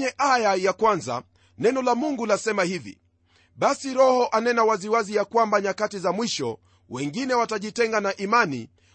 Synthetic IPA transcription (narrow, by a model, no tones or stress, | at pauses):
ɲɛʔajajakwanza̰ | nɛnɔlamuŋɡulasɛmahivḭ | ɓasiɾɔhɔʔanɛnawaziwazijakwambaɲakatizamwiʃɔ̰ | wɛŋɡinɛwataʄitɛŋɡanaʔimanḭ